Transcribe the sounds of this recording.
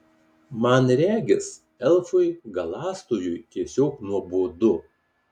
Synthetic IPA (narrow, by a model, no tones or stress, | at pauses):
mɐnɾʲæːɡʲɪs | ɛlˠfʊɪɡɐlˠɑːst̪uːjʊjt̪ʲiɛsʲoːknuɔbuːd̪ʊ